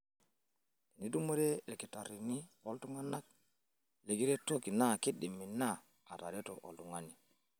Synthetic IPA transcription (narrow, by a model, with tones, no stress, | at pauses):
i˨ni˦du˦mo˦ɾe˦e˨lki˨ta˨ɾi˨ni˦o˦ltu˦ŋa˦na˦k̚ | le˨ɡi˦ɾe˦to˦ki˨na˦ki˦di˨mːi˨na˦˨ | a˨ta̰˨ɾe˦to̰˨ʔo̰˨lu˨ŋa˦ni˨